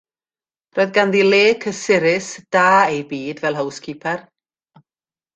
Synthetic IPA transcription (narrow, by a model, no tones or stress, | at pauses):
roːðɡanðilˠeːkʰəsɪɾɪsd̥aːejbiːdvɛlˠɦəwskʰiːpʰɛr